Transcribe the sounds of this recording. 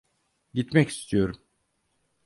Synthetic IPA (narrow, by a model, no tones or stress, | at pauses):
ɟit̪mɛci̥st̪ʰijo̞ɾum